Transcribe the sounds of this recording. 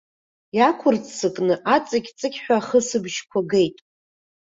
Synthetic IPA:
jakʷʰʊrsɨkʼnɨʔat͡sʼakʲt͡sʼɨkʲħʷᶣaχəsɨbʒkʷʰaɡe̞jtʼ

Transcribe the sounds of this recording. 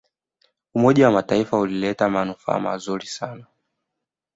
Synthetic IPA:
umɔʄawamataifaulilɛtamanufa̰ːma̰zuɾisana

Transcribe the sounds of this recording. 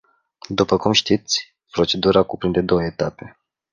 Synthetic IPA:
d̪upəkumʃt̪it̪sʲ | pɾo̞t͡ʃe̞d̪uɾakupɾind̪e̞d̪o̞wəet̪ape̞

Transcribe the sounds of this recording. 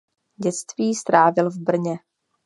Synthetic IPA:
ɟɛt͡st̪viːst̪ɾaːvɪlvbr̩ɲɛ

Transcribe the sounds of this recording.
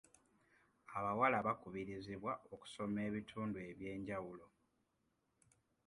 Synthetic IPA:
aβawalaβakuβiɾiziβwao̞ku̥so̞me̞ːβitʰuːndue̞βje̞ːɲɟawulo̞

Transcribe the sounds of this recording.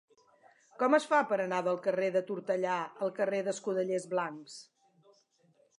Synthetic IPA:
kɔməsfapəɾənaðəlˠkəreðət̪uɾt̪əʎaəlˠkəreðəskuðəʎezβlaŋks

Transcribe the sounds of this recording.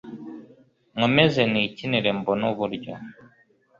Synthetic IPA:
ŋwemezeniciniɾembonuβuɾɟo̰

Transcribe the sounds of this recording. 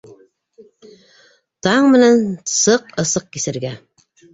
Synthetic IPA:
t̪ʰɑɴmɘ̆nænsɤqɤ̆sɤq̚kʲisɘ̆ɾɡʲæ

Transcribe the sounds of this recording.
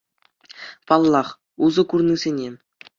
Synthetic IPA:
pɑlˠːɑχ | uzɤ̆kurnɨzʲenʲe

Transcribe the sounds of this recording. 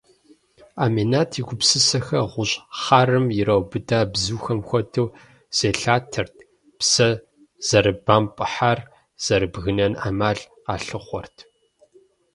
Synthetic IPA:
aːmeːnaːtʰiɡʷʊpsɨsɐxɐʁʷʊɕʼχaːrɨmjɪrɐwbɨdʰaːbzuːxɐmxʷɔtʰɐw | z̥eːɬaːtʰɐrtʰ | psɐ | z̥ɐɾɨbaːmpʼɨħar | z̥ɐɾɨbɣɨnɐna̰ːmaːɮ | qɑːɬɨχʷɔrtʰ

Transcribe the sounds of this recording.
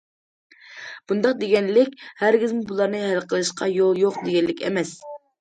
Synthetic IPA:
b̥und̪ɑq̚d̪eɡʲɛnlɪkʲhæɾɡʲizmubulˠɑɾnɨɦælqʰəlˠɨʃqʰɑjolˠjoqd̪eɡʲɛnlɪkʲɛ̰mɛs

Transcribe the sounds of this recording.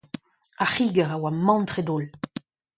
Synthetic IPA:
aχiːɡɛʁawamɑ̃nt̪ʁed̪ol

